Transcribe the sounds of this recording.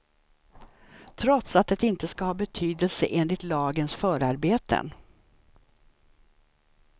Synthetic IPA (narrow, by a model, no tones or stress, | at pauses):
t̪ʰɾɔt̪sat̪̚d̪ɛt̪ɪnt̪əskahɑːbɛt̪ʰyːd̪əlsəʔeːnlɪt̪lɑːɡənsfœːɾaɾbeːt̪ʰə̰n